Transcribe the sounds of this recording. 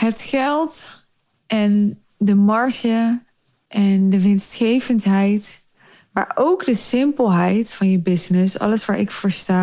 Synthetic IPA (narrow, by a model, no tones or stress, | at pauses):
ɦətχɛlˠt | ɛn | dəmɑɹʃə | ʔɛndəʋɪnstχejvəntɦɛjt | ma̰ːɹowkdəsɪmpəlˠɦɛjtfɑnjəbɪsnɪsɑ̰ləsʋaːɹɪkfəɹstaː